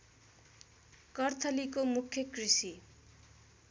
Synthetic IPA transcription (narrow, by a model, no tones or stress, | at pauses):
kʌrt̪ʰʌlikomukʰːjʌkrisi